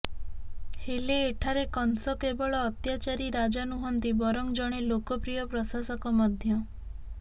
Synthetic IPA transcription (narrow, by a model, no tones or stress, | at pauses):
heleːʈʰaɾekɔnsɔkebɔɭɔːt̪jat͡ʃaɾiɾad͡ʒanuɦɔnt̪ibɔɾɔŋd͡ʒɔɽ̃elokɔpɾijɔpɾɔsasɔkɔmɔd̪ʱjɔ